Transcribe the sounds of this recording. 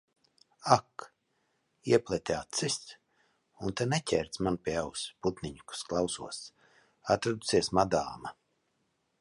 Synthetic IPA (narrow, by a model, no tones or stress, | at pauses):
ak | iɛplʲˠɛt̪ʲaːt̪sɨst̪ | unt̪ɛnɛcʲɛːɾt̪smanpʲiɛawsput̪nʲiɲku̥sklˠawsṵɔs | at̪ɾad̪u̥siɛsmad̪a̰ːma